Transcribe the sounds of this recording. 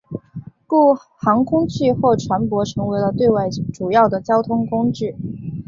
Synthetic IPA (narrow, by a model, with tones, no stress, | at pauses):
ku˥˩ | xɑ˧˥ŋkʰʊ˥ŋt͡ɕʰy˥˧xo˥˩ʈ͡ʂʰwa˧˥npwɔ˧˥ʈ͡ʂʰɤ˧˥ŋwe˧˥ɪlə˧t̪we˥˧ɪwa˥˩ɪʈ͡ʂu˨˩jɑ˥˩ʊd̪ə˩t͡ɕjɑ˥ʊt̪ʰʊ˥ŋkʊ˥ŋʈ͡ʂɻ̩˥˩